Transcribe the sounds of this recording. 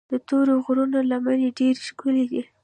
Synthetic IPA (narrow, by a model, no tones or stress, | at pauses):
d̪ət̪oɾoɣɾunalamaneɖeɾʃkulid̪i